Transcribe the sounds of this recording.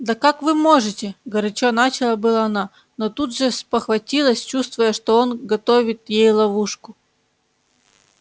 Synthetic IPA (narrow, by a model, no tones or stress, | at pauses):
d̪ɐkakvɨmo̞ʐɨtʲɪɡɐɾɐt͡ɕonat͡ɕɪlˠəbɨlˠəɐna | not̪ud̪ʐɨspəxvɐtʲilˠəsʲt͡ɕust̪vʊjəʂt̪oonɡɐt̪ovʲɪt̪jejlˠɐvuʂkʊ